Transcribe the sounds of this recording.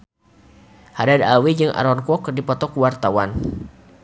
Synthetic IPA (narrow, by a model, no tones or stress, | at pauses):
hadadawid͡ʒɨŋʔa̰ɾɔnkɔkrdipɔt̪ɔkuwart̪awan